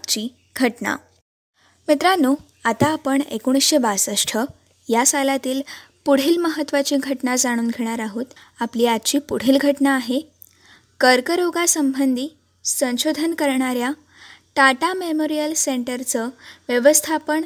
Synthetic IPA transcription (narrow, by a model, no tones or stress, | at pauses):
t͡ɕiː | ɡʱəʈna̰ | mit̪ɾanu | at̪aːpəɳḛkoɽ̃isɕebasəsʈʰə | jasalat̪iːl | puɽ̤iːlməɦət̪ːʋat͡ɕiːɡʱəʈnad͡zaɽ̃uːnɡʱeɽ̃aɾaɦuːt̪ | apliːat̪t͡ɕiːpuɽ̤iːlɡʱəʈnaːɦe | kəɾkəɾoɡasəmbʱənd̪ʱiː | sə̃ɕod̪ʱənkəɾɳaɾja | ʈaʈamemoɾijəlseɳʈəɾt͡səʋjəʋəst̪ʰapəɳ